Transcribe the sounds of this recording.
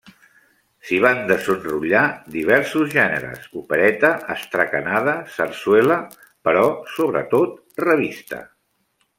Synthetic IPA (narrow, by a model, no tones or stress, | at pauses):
siβ̞and̪əzənruʎad̪iβ̞ɛɾsuzʒɛnə̰ɾə̰zupəɾɛt̪əəst̪ɾəkənað̞əsərswɛlə | pəɾɔsoβɾə̰t̪ot̪̚ | rəβist̪ə̰